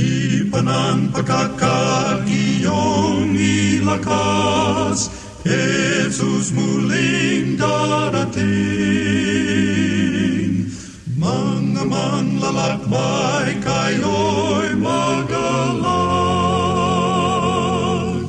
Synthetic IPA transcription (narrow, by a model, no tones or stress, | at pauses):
ipɐnaŋpɐkakːaɾijoŋilɐkɐ | s | hesusmuliŋd̪aɾɐt̪i | ŋ | mɐŋɐmɐŋlɐlak̚bajkajojmɐɡɐla